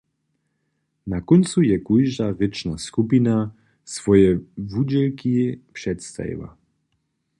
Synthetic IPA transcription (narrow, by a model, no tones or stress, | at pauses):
nakɔnt̪sujɛkujʒavɛt͡ʃnaskupina | svɔjɛvud͡ʑɛlkipʂɛt̪st̪a̰jḭva̰